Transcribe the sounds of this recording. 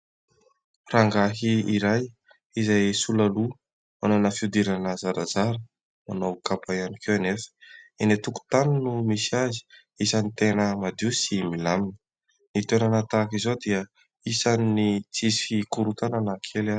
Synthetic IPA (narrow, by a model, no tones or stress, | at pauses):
raŋɡaɦiiɾaj | izajsulalu | mananəfiud̪iɾanəzaɾazaɾə | manokapajanikewanefə̥enet̪uku̥t̪anunumisazi̥ | isanit̪enəmad̪iwsimilamini̥ | nit̪enanat̪akizod̪iə | isanːit͡sizifikuɾut̪ananakʰela